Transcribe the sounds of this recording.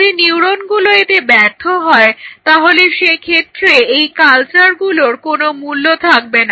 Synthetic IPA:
d̪iniwɾonɡuloet̪ebɛɾt̪ʰoɦɔet̪aɦoleʃekʰet̪ːɾeejkalt͡ɕaɾɡuloɾkonomulːot̪ʰak̚bena

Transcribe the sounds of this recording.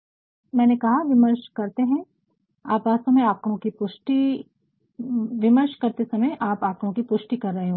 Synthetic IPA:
mɛ̃ːnekɐɦaʋɪməɾʃkɐɾt̪eɦɛ̃ | aːpaːsɐmẽaːkõkipʊʃʈi | ʋɪməɾʃkɐɾt̪esɐməjʔaːpaːkɾõkipʊʃʈikɐɾːɐɦeɦõ

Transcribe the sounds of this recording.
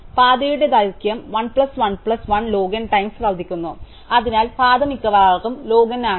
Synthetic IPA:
paːd̪ɐjuɽed̪ɐjkjɐmʋɐɳpɭɐsʋɐnpɭɐsʋɐnlo̞ːɡɐnʈɐjmsʋɐld̪ʱikʲːunːu | ɐðinaːlpaːd̪ɐmikʲːɐʋaːɣumlo̞ːɡɐnːaː

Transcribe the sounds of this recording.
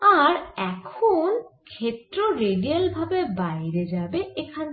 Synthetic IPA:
aɾɛkʰonkʰet̪ːɾoɾeɖialbʱabebajɾed͡ʑabeekʰan

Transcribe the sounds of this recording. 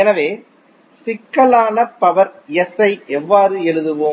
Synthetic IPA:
ɛnɐʋeː | sɪkːɐlaːnɐpːɐʋɐɾɛsɐɪʔɛʋːaːrɯɛɻɯðɯʋoː

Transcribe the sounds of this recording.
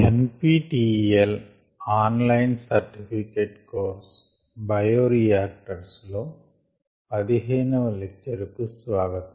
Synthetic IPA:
enpiːʈiːel | aːnlɐjnsɐɾʈifʰikeːʈkoːɾs | bɐjoːɾijaːk̚ʈɐɾsloː | ɐðiɦɐjnɐʋlɛk̚t͡ʃːɐɾukɯsʋaːɡɐt̪ː

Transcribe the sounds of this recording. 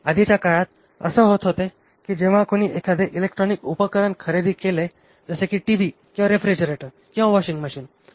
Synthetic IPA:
əd̪it͡ɕjakaɭat̪̚ | ə̰səɦot̪ɦot̪e | kid͡ʑeʋ̤ãkoɽ̃iʔekʰəd̪eʔilekʈɾɔnikupəkəɾənkʰəɾed̪iːkele | d͡zəsekiʈiʋikĩwʋaɾefɾed͡ʑəɾeʈəɾ | kĩw̃ʋaʋɔɕiŋɡməɕiːn

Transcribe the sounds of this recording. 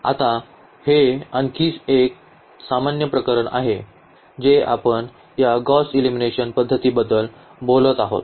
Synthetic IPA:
a̰t̪a | heənkʰiːt͡sek̚ | samanjəpɾəkəɾəɳʔa̰ɦe | d͡ʑea̰pəɳ | jaɡɔsilimineɕənpəd̪ʱːət̪iːbəd̪əl | bolət̪aɦo̰t̪̚

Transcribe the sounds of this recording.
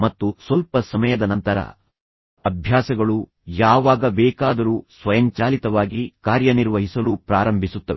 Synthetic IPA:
mɐt̪ːusʋɐlpɐsɐmɐjɐd̪ɐnɐnt̪ɐɾɐ̰ | ɐbʱjaːsɐɡɐɭu | jaːʋaːɡɐbɛːkaːd̪ɐɾuːsʋɐjɐɲt͡ʃaːlit̪ɐʋaːɡikaːɾjɐniɾʋɐɦisɐlupɾaːɾɐmbʱisut̪ːɐʋɛ

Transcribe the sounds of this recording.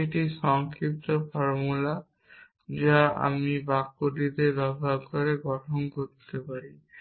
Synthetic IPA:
eʈiʃɔŋkɾip̚t̪ofɔɾmula | d͡ʑaa̰mibakːod̪id̪eɾbɛbʱabkoɾeɡɔʈʰonkoɾt̪epaɾi

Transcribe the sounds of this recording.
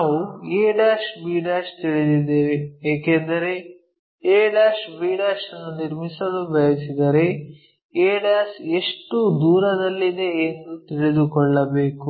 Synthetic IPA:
naːʋueːɖaːsbiːɖaːst̪iɭid̪id̪eːʋeeːkend̪ɐɾe̞ | eːɖaːsbiːɖaːsɐnːuniɾmisɐd̪ubɐjɐsid̪ɐɾe̞ | eːɖaːseʂʈud̪uːɾɐd̪ɐlːid̪e̞ːnd̪ut̪iɭid̪ukɔɭːɐbe̞ːku

